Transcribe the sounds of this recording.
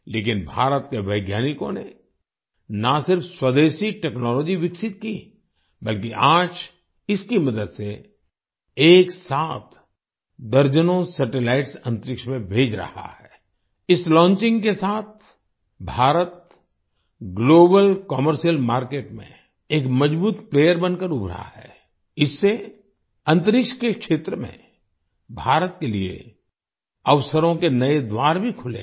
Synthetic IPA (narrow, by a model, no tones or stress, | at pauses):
leːk̬ɪnbʱaːɾət̪keʋəɪɡjaːnɪkõ̰ne | nasɪɾfswɐd̪eːʃiʈɛːknɔːlɔːd͡ʒiʋɪksɪt̪̚ki | bɐlkiʔaːd͡ʒ | ɪskimɐd̪əd̪se | eːksaːt̪ʰ | d̪ɐɾd͡ʒənõsɐʈɪlaɪʈsɐ̃nt̪ɾɪkʃmẽbʱeːd͡ʒɾɐ̰ha̰hɛː | ɪslɔ̃ːnt͡ʃɪ̃ŋɡkesaːt̪̚ʰ | bʱaːɾət̪̚ | ɡloːbəlkɔməɾʃijəlmaːɾkeːʈmḛ̃ | eːkmɐd͡ʒbuːt̪pleːjəɾbənkəɾʊbʱɾa̰hɛː | ɪsːe | ɐ̃nt̪əɾɪkʃkekʃeːt̪ɾəmḛ̃ | bʱaːɾət̪keliḛ | ɐʋsəɾõkenɐed̪waːɾbʱikʰʊlḛ̃